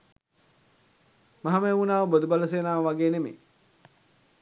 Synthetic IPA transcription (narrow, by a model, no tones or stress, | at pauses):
mɐɦamejunaːʋəbod̪ubaləs̬eːnaːʋəʋaɡeːnemḛ